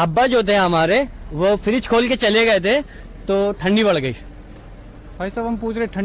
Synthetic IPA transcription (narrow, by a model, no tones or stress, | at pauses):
ɐbːad͡ʒoːt̪̬ʰeɦɐmaːɾeʋofɪɾɪt͡ʃkʰoːlket͡ʃɐleɡɐet̪ʰe | t̪oʈʰɐ̃ɳɖibɐɽ̤ɡɐḭː | baːisɐbɐmpuːt͡ʃʰɾeeʈʰɐ̃ɳ